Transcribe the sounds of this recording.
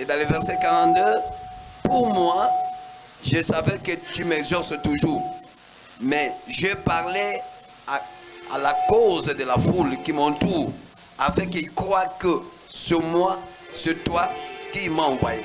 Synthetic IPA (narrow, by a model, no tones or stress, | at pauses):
ed̪ɑ̃levɛʁsɛkaʁɑ̃t̪̚d̪øpuʁmwa | ʒəsavɛkət̪ymɛɡzɔʁsət̪uʒuːʁ | mɛʒəpaʁlɛ | a | a̰lakozəd̪əlafulkimɑ̃t̪uːʁ | afɛ̃kəilkχʁwakə | səmwa | sət̪wakiilmãɑ̃vwa̰je